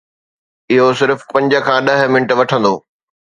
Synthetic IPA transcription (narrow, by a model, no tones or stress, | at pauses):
ɪɦosɪɾfpɐ̃ɲd͡ʑə̆kʰãːɗɐɦ̆mɪnəʈʋɐʈʰə̃nd̪oː